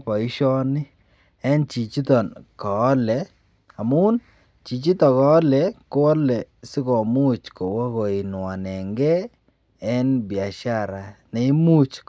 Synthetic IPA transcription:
pɔ˨i˦ʃɔ˦nɪ˦ | ɛ˦nt͡ʃi˨t͡ʃi˦tɔ˨nkɔː˨˦lɛ˨ | a˨mu˦n | t͡ʃi˨t͡ʃi˦tɔ˨kɔː˨˦lɛ˨ko˦ɔ˦lɛ˨sɪ˦kɔ˨mu˦t͡ʃko˨wa˦ko˨i˨nwa˨nɛ˨ŋɡɛ˦ | ɛ˦nbja˨ʃa˦ɾa˨nɛ˨i˦mu˦t͡ʃ

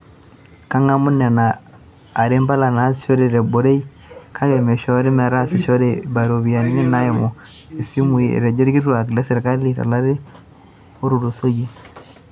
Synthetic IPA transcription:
ka˦ŋa˦mu˦na˨naː˨ | ɾe˦mba˦la˨na˨˦si̥˨ʃo˦ɾe˨ɾe˨bo˨ɾe˦i˦ | kʰa˦ɡɛ˨mɛ˨ʃɔ˦ɾe˦ma˨ɾa˦si˨ʃɔ˦ɾe˨ba˨ɾo˨βi˨a˨ni˦nɛ˦na˦je˨mo˨e˨si˦mu˨i˨ḛ˨ɾɛ˨d͡ʒe˦ɾi˦ki˦ɾɾa˨ki˨la˦se˨ɾe˨ka˦li˦ɾa̰˨la˦ɾe˦ | o˦ɾu˨ɾu˨so˦ɡi˦

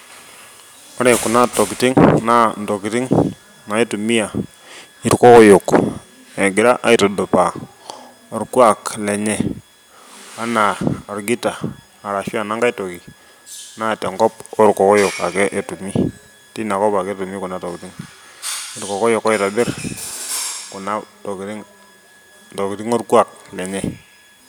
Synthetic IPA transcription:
ɔ˦ɾe˨ku˨na˦tɔ˨ki˨tɪ˦ŋna˦n˨do˨ki˨tɪ˦ŋ | na˨e˦tu˨mi˦ja˨ | i˨ɾkɔ˦kɔ˦jo˨k | ɛ˨ɡɪ˨ɾa˦ʔa˦i˦tɔ˨do˨pa˨ | ɔ˨ɾkwa˨klɛ˨ɲɛ˨ | a˦na˨ɔ˨ɾɡi˦ta˨ | a˨ɾa˨ʃa˦˨na˦ŋɡa˦itɔ˨ki˨ | na˦˨tɛ˨ŋɡɔ˦pɔ˦ɾkɔ˨kɔ˦jʊ˨ka̰˨kɛ˦ʔe˨tu˨mi˦ | ti˦na˨kɔ˦pa˨kɛ˦tu˨mi˦kʊ˨na˨tɔ˨ki˨tɪ˦ŋ | ɪ˨ɾkɔ˨kɔ˦jʊ˨kɔ˦jta˨bɪ˦r | kʊ˨na˦tɔ˨kɾɪ˦ŋ | tɔ˨kɪ˨ɾɪ˦ŋɔ˦rkwa˨k̚lɛ˨ɲɛ˦

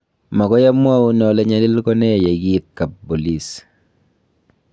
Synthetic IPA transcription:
ma˨kɔ˦ja˦mwa˦u˦nɔ˨lɛ˦ɲa˨˦li˦lkɔ˦nɛ˦˨jɛ˨ɡi˦t̚ka˨p̚bo˨li˦s

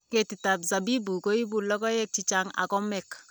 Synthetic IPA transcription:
ke˨tita˨bza˨bi˦bu˨ko˦i˦bu˦lɔ˦kɔ˦jɛk̚t͡ʃi˦t͡ʃaŋa̰˨kɔ˦mɛk

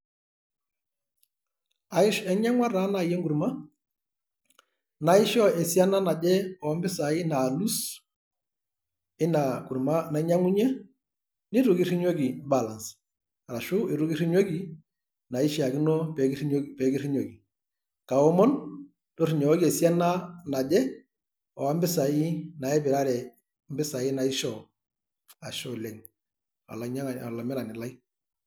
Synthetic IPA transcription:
a˨ɪ˦ʃɛ˦ɲa˦ŋwa˦ɾa˨˦na˨jɛ˦ŋɡu˨ɾma˦ | na˨ɪ˦ʃɔ˦ɛ˨sja˦na˦na˨d͡ʒɛ˦ɔ˨˦mbɪ˦sa˨ɪ˦na˨lu˦s | ɪ˦na˨ku˨ɾma˦na˨˦ɲa˦ŋu˦ɲɛ˦ | ni˦ɾu˨ki˦ɾi˦ɲo˦ɡi˨ba˨la˨ns | ɾa˨ʃʊ˦ɪ˨ɾu˦ki˦ɾi˦ɲo˦ki˨ | na˨i˦ʃi˦a˨ki˦nɔ˦pɛ˨˦pɛ˨˦ki˦ɾi˦ɲo˨ɡi˨ | ka˨ɔ˦mɔ˦n | dɔ˦ri˨ɲɔ˨ɔ˦ɡi˦e˨si˦a˦na˦na˨d͡ʒɛ˦ | ɔ˨a˦m˦bɪ˦sa˨i˦na˨ɛ˦bɪ˨ɾa˦ɾɛ˨ | m̩˦bɪ˦sa˨i˦na˨i˦ʃɔ˨ | a˨ʃɔ˨lɛ˨ŋ | a̰˨la˨ɲa˦ŋ˨a˨la˨mɪ˦ɾa˨nɪ˨la˦i˦

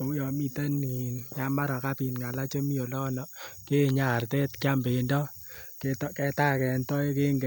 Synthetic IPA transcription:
o˨u˦jɔ˨mi˦ta˦ni˨nja˦ma˦ɾa˨ka˦pi˨nŋa˨la˦t͡ʃo˦mi˦o˨lɔ˦nɔ˨ke˦ɲa˨rtɛ˦tkja˦mbe˨ndɔ˦ | ketkɛ˦ta˦kɛ˨ntɔ˦ke˦ŋɡe˨

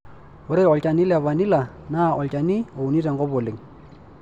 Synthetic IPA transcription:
ʊ˨ɾe˦ɔ˨lt͡ʃa˨ni˦lɛ˨βa˨ni˦la˨na˦ʔɔ˨lt͡ʃa˨ni˦o˨u˨ni˦ɾɛ˨ŋɡɔ˦bɔ˨lɪ˨ŋ

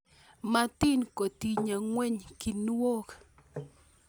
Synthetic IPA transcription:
ma˦t̪i˦nko˨t̪i˨ɲa˨ŋwɛ˦ɲki˨n˦o˦k

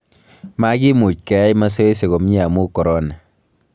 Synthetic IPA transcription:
ma˦ɡi˦mu˨t͡ʃkɛ˨a˦jma˦s̬ɔ˦e˦s̬e˨ɣo˨m˦a˨mu˦kɔ˨ɾɔ˦na˨

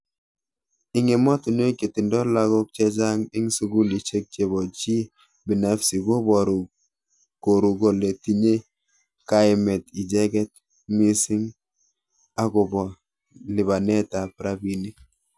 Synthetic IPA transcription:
ɪ˦ŋe˨mɔ˦tu˨n˦e˦ke˨ti˨ndɔ˦la˦ɡɔ˦k̚t͡ʃɛ˦d͡ʒa˦ŋɪ˦ŋsu˦ɡu˦li˨t͡ʃe˦k̚t͡ʃe˨bɔ˨t͡ʃi˦ | bi˨na˦fsi˨ɡo˦bɔ˨ɾu˨ | ko˨ɾu˨ɡo˨le˨ti˦ɲe˦ | ka˦ɪ˦mɛ˨ti˨d͡ʒɛ˦ɡɛ˦t̚ | mi˦si˦ŋ | a˦ɡʊ˨bɔ˨ | lɪ˨βa˨nɛ˦ta˨pɾa˦bi˦ni˦

